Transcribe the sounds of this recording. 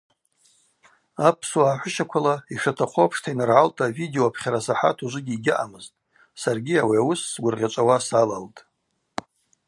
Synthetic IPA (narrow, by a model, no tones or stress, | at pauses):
apʰswaːħʷʊʃakʷʰalaiʂatʰaχʷopʰʂtʰainɨrʕaltʼavideoapʰχʲaɾasaħa̰tʰuʒʷʊɡʲiːɡʲɪʔa̰mɨztʼ | sarɡʲiawiawʊsːɡʷʊrʁʲat͡ʃʷʼawasalaltʼ